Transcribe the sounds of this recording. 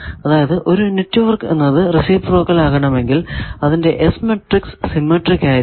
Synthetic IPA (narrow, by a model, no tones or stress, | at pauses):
ɐðaːjɐðɨʔo̞ɾunetːʋɐrke̞nːɐðɨrisiːpro̞ːkːɐlaːɣɐɳɐme̞ŋɡilɐðinde̞ʔesmeʈrikssimːɐʈrikʲːaːjiɾ